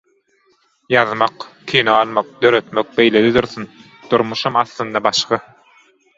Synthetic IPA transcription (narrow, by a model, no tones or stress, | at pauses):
jɑðmɑqkʰiːneɑlˠmɑq̚d̪ø̞ɾø̞t̪møk̚be̞jled̪id̪uɾθyn | d̪̥uɾmuʃɑmɑθlɯnd̪ɑbɑʃχɯ